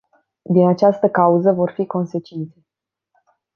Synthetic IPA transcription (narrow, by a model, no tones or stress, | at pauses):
d̪inat͡ʃast̪əkauzəvo̞rfiko̞nse̞t͡ʃint̪se̞